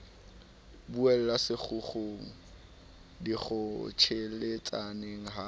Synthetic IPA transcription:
buɛlɛlasɪk͡xʊχoŋ̩ | diχʊt͡ʃʰelet͡sʼaneŋ̩ɦa

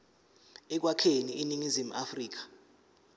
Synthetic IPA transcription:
ɛk̬wakʰeniiniŋizim̩afriːk̬ḁ

